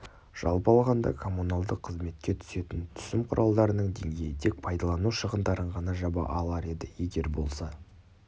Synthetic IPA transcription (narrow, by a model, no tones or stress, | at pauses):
ʒ̥ɑlˠpɑlˠʁɑnd̪ɑ̰kʰo̞munɑlˠd̪əqʰːəzme̞t̪̚kʲe̞t̪ʰʏ̥se̞t̪ɪnt̪ʰʏ̥sɪmqʰʊɾʔɑlˠd̪ɑɾənəɴd̪e̞̰ŋɡʲe̞jɪt̪ʰek̚pʰɑjd̪ɑlˠɑnuʃəʁənd̪ɑɾəɴʁɑnɑʒɑbɑ̰ʔɑlˠɑɾe̞d̪ɪje̞ɡʲe̞ɾbo̞̰lˠsɑ